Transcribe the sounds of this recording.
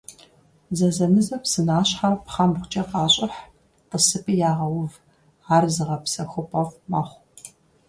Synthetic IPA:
zɐzɐmɨzɐpsɨnaːɕħarpχɐmχʷʊt͡ʃʼɐqɑːɕʼɪħ | qəsɨpʰʼijaːʁɐwʊv | aːrzɨʁɐpsɐxʷʊpʼɐʁmaːχʷ

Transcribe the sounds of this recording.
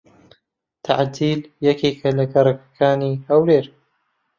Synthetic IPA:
t̪ʰaʕd̪iːljakikalakaɾˤɑkḁkaːniʔawɾeːɾ

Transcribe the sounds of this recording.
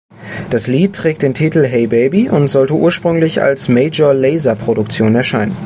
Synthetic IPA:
d̥asliːt̚tːʁ̥ɛːkt̚d̥eːntʰiːtl̩ɦɛɪbeɪbiʔʊntz̥ɔltəʔṵːɐʃpʁ̥ʏŋlɪça̰lsmeɪd͡ʒɐlɛɪzɐpʁ̥odʊkt͡sjoːnɛɐʃaɪnən

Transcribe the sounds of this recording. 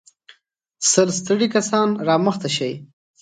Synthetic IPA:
səlst̪əɽikasɑnɾɑməxt̪aʃaj

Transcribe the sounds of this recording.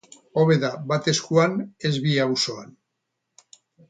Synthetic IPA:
o̞βe̞ðaβat̪e̞skuane̞zβiawso̞an

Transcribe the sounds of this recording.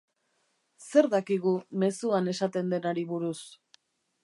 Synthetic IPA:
se̞ɾðakiɣume̞suane̞sat̪e̞nd̪e̞naɾiβuɾus

